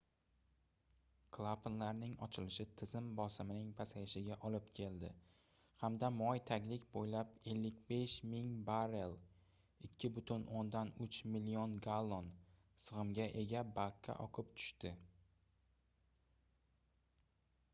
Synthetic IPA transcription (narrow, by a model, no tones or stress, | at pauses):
kʰlˠapʰɪnlaɾnɪŋɒt͡ʃʰɪlɪʃɪt̪ʰɪzɪmbɒsɪmɪnɪŋpʰasajɪʃɪɡʲaʔɒlɪpkʲʰe̞ld̪ɪ | hamd̪amɒjt̪ʰaɡʲlɪkʲbojlape̞lːɪkʲbe̞ʃmɪŋbaɾe̞lˠ | ɪkʲʰːɪbʊt̪ʰʊnʔond̪anʊt͡ʃmilːionɡalˠːon | sɨʁɨmɡʲaʔe̞ɡʲabakʰːa̰ʔɒqʰɨpt̪ʰʊ̥ʃt̪ɪ